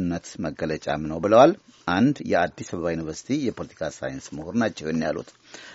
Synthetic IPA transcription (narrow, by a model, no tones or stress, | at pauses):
nːət̪məɡːələt͡ʃʼa̰mnəwbɨləwalʔand̪jɛ̰ad̪ːisəβəβajunivəɾsi̥t̪ʰijɛpʰo̞lət̪ʰi̥kʰasa̰jnsməhuɾnat͡ʃːɛwɛnːjalṵt̪